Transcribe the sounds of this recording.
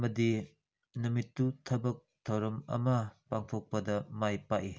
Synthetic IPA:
mɐdi | numitːutʰɐbɐk̚tʰɐwɾɐmɐ̰mɐpaŋpʰok̚pɐdɐmajpaʔi

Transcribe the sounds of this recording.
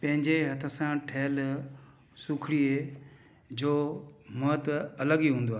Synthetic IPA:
pɐ̃ɦɪ̃ɲd͡ʑeɦɐt̪ʰə̆sãʈʰeːl | suːkʰɽiːɦe | d͡ʑoːmət̪ɐləɠiːɦũːnd̪oaː

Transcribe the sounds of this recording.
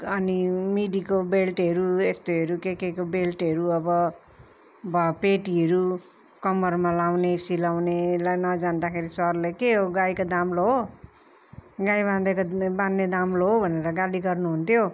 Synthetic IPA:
ʌnimiɖikobelʈɦʌɾuest̪oɦʌɾukekekobelʈɦʌɾuʌbʌ | bʌpeʈiɦʌɾu | kʌmʌrmalawnesilawnelajnʌd͡zand̪akʰeɾisʌrlekeɦoɡajkod̪amloɦo | ɡajbãnd̪ʌkobanːed̪amloɦobʱʌneɾʌɡaliɡʌrnuɦunt̪ʰjo

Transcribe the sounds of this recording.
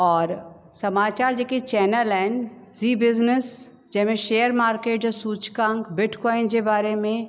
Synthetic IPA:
ɔːɾ | sɐmaːt͡ʃaːɾd͡ʒekit͡ʃɛːnəlɛːn | zibɪznəs | d͡ʒɛɦmẽʃeːəɾmaːɾkeːʈd͡ʒɔsuːt͡ʃkãːŋkbɪʈkɔːɪnd͡ʒebaːɾemẽ

